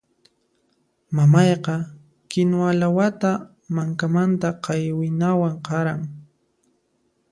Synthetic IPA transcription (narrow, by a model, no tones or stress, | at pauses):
mamɑjqɑ | kɪnoalawat̪a | maŋkamant̪aqɑjwɪnawaɴqɑɾaŋ